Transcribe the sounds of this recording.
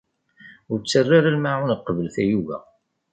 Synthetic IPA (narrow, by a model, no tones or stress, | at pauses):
ʊɾt͡sːərːaɾælmaʕunqːəvəlθæjuvæ̰